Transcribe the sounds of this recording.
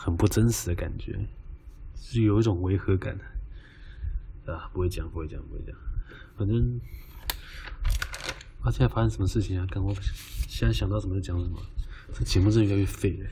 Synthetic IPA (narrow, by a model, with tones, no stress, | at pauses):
xə˨˩npu˥˩ʈ͡ʂə˥nʂɻ̩˨˧˥d̪ə˦˧ka̰˨˩nt͡ɕɥɛ̰˧˥ | ʂ̩˥˧jo˨˩ʊi˥˩ʈ͡ʂʊ˨˩ŋwe˧˥ɪxɤ˧˥ka̰˨˩˦n | a˥˧˩pu˧˥xwe˥˩ɪt͡ɕjɑ̰˨˩ŋpu˧˥xwe˥˩t͡ɕɑ˨˩ŋpu˧˥xe˥˩t͡ɕjɑ̰˨˩ŋxə˨˩nə˥ŋ | pa˥t͡ɕə˥jfa˥ɕɛ˧˥nʂə˥mə˦ʂɻ̩˥˩t͡ɕʰi˨˩ŋa˨˩ka˥˩nwɔ˧˥ɕɛ˥na˥˩ɕjɑ˨˩ŋt̪ɑ˥ʊʂə˧˩m˥˩t͡ɕjɑ˧˥ŋʂə˨˩mə̰˧˦ʈ͡ʂə˥˩ə˩t͡ɕʰjɛ˧˥mu˥˧ʈ͡ʂə˥˩˧y˧˥jt͡ɕʰfe˥˩ɪ˨